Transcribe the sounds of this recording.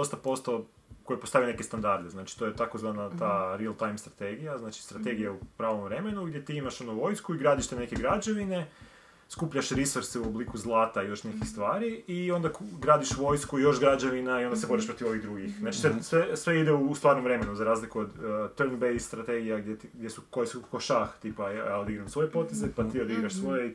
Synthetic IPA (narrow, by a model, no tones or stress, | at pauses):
d̪ost̪apo̞st̪o | ko̞jepost̪aʋine̞ke̞st̪and̪aɾd̪eznat͡ʃi̥t̪o̞jet̪akozʋanat̪aɾialˠt̪ajmst̪ɾat̪e̞ɡijaznaːt͡ʃi̥st̪ɾat̪e̞ɡijaupɾaːʋomʋɾe̞me̞nuɡd̪je̞t̪iːimaʃonoʋo̞jskuiɡɾaːd̪iʃt̪enekeɡɾad͡ʒaʋine̞ | skupʎaʃɾisoɾseuoblikuzlˠaːt̪aijo̞ʃne̞kixst̪ʋaːɾiio̞nd̪akɡɾaːd̪iʃʋo̞jskuijo̞ʃɡɾad͡ʒaʋinaio̞nd̪asebo̞ɾiʃpɾot̪iʋo̞ʋiɣd̪ɾuɡixznaːt͡ʃi̥sesʋesʋeid̪eust̪ʋaːɾnomʋɾe̞menuzaɾaːzlikuod̪t̪əɾnbejst̪ɾat̪e̞ɡijaɡdʲjet̪ɡd̪ʲjesuko̞jesukkokoʃaxt̪iːpajajaod̪iɡɾamsʋo̞je̞po̞t̪e̞zepat̪iːod̪iɡɾaʃsʋo̞je